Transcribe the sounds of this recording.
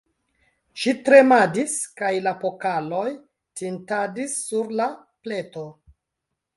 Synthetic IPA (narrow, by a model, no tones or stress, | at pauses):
ʃitɾe̞madiskajlapo̞kalo̞j | tintadisːuɾla | ple̞to̞